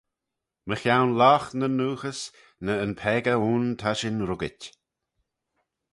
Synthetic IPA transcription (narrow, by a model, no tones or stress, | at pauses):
məxjawnlaːxnənuːxəs | nəːnpʰɛːɡəuːnt̪ʰaʃɪnɾʊɡɪtʲ